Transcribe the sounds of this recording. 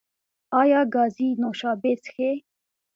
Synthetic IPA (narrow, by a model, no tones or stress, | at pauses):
ɑːjaːɡaːziːnoːʃaːbeːt͡sxe